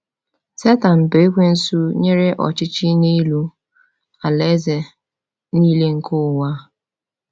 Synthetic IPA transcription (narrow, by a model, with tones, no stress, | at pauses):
se˦ta˨n̩˨be˨e˦kʷe˦n̩˦su˦ɲe˦ɾe˦ʔɔ̰˨t͡ʃɪ˦t͡ʃi˦ni˦lu˦ | a˨le˦ze˨ | niː˦le˦ŋ̩˦kʊ˦˨wa˦